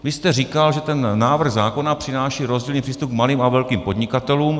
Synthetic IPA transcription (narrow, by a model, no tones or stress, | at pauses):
vɪst̪ɛrikalʒɛt̪ɛnːaːvr̩ɣzaːko̞napr̝̥ɪnaːʃiːɾo̞zɟiːlniːpr̥iːst̪up̚kmaliːmavɛlkiːmpo̞dɲɪkat̪ɛluːm